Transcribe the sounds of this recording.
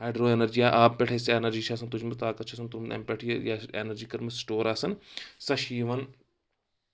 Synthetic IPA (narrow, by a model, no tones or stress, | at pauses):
ɦaːjɖɾoːeːnəɾd͡ʒiːaːʔaːppɛʈʰeːseenɐɾd͡ʒiːt͡ʃʰaːsɐnt̪ʊd͡ʒmɐt̪aːkɐtt͡ʃʰaːsɐnt̪ʊmɛ̰ːmpeʈʰijaḛnɐɾd͡ʒiːkɐɾmɐsʈoːɾaːsɐnsɐʃiːʋɐn